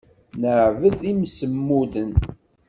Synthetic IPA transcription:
nəʕvəðimsəmːuðən

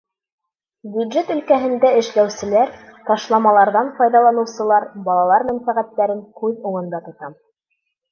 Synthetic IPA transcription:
bʲjʉd̪ʒet̪ɵ̆lkæɦɘ̆nd̪æɘ̆ʃlæwsɘ̆læɾt̪ɑʃlˠɑmɑlˠɑɾðɑnfɑjðɑlˠɑnɤ̆wsɤ̆lˠɑɾbɑlˠɑlˠɑɾmænfæʁæt̪ːæɾɘŋkʉðuŋɤ̆nd̪ɑt̪ŏt̪ɑm

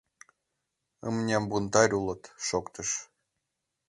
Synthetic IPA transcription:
ə̰mnʲɑmbunt̪ɑɾʲulˠɤ̆t̪ʃokt̪əʃ

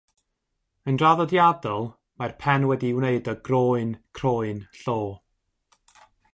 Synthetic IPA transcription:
əndraðɔdjadɔlˠ | marpʰɛnwɛdiwneɨdɔɡroːɨnkʰroːɨnɬoː

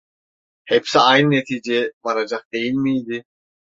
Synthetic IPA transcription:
hepsiɑjnnːet̪ʰiːd͡ʒebɑɾad͡ʒɑq̚d̪̥e̞jilʲmijd̪i

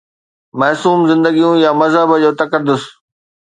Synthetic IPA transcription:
mɐɦsuːmzɪ̃nd̪əɡijũjamɐzɦəbəd͡ʑoːt̪ɐkəɾd̪ʊs

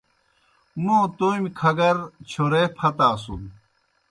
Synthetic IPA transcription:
mot̪oːmkʰɐɡɐɾt͡ɕʰoɾepʰɐt̪aːsṵn

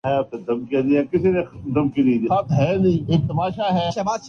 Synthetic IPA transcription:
ɦɛaːp̚ked̪ɐmkianĩɛkɪsinẽd̪ɐmkinɐ̃ĩd̪iat̪ɦɛːnɐ̃ĩeːk̚t̪ɐmaːʃaɦɛːʃɐbaː

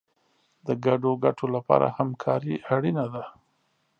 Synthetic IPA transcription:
d̪əɡaɖoɡaʈʰolapɑ̰ɾa̰hamkʰɑɾiʔaɽinad̪a

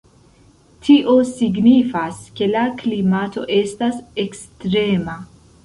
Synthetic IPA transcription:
tʰiʔo̞siɡnifaske̞laklimato̞̰ʔe̞stase̞kstɾe̞ma

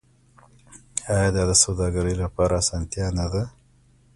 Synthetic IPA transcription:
ajɑd̪ɑd̪əsawd̪ɑɡaɾəjlapɑɾʔaːsɑnt̪ijɑnad̪a

